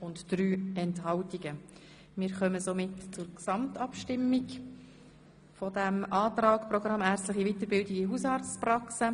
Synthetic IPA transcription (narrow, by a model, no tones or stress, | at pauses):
ʊntd̥ɾyːɛnthɑltiɡ̥ə | mɪɾχœməsomɪtt͡sʊɾksɑmtɑpʃtɪmːiɡ | fɔdæmʔɑːt̪ɾɑːkprɔɡ̥ɾʁɑmːæːɾstləχivitəɾbɪldiɡiɦusɑːɾt͡sprɑksə